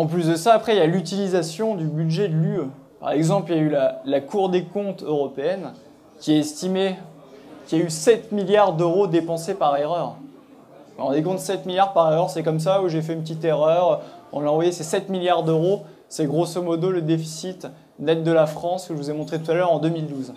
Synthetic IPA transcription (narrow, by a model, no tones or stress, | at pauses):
ɑ̃plys̬d̪əsaːpχɛiljalyt̪̬ilizasjɔ̃d̪ybyd̪ʒɛd̪əlyø | pa̰ʁɛɡzɑ̃plijaylalakuʁd̪ekɔ̃t̪øʁɔpeɛn | kʲiaɛst̪ime | kʲiaysɛt̪miljaʁd̪øʁod̪epɑ̃sepaʁeʁœːʁ | ʁɑ̃d̪ekɔ̃t̪sɛt̪miljaʁpaʁeʁœʁsɛkɔms̬auʒefɛynpət̪̬it̪eʁœʁøɔ̃laɑ̃vwajesɛsɛt̪miljaʁd̪øʁo | sɛɡʁosomɔd̪oləd̪efi̥sit̪ | nɛt̪̚d̪əlafχɑ̃səʒəvuzɛmɔ̃t̪χet̪ut̪alœʁɑ̃d̪ømild̪uz